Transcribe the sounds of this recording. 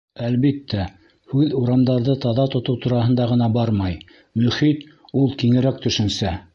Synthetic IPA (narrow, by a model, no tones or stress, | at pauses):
ælβit̪ːæ | hʉðuɾɑmd̪ɑɾðɤt̪ɑðɑt̪ŏt̪ɤwt̪uɾɑhɤ̆nd̪ɑʁɤ̆nɑbɑɾmɑj | mɵ̆χit̪ | ulˠkiŋɘ̆ɾæk̚t̪ɵ̆ʃɘ̆nsæ